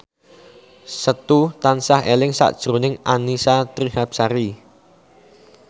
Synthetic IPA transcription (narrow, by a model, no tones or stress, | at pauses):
sət̪ut̪ansahelɪŋsa̰ʔd̥ʒ̥ɾonɪŋanisat̪ɾihap̚saɾi